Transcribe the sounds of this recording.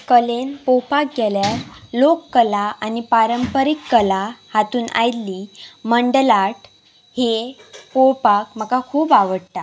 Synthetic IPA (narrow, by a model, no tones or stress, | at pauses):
kəlenpowpakɡeljaɾlokːəlaʔanipaɾəmpəɾikːəlahat̪uːnʔa̰jlːiːməɳɖlaʈ | hepowpakm̤əkakʰuːpaʋəɽt̪a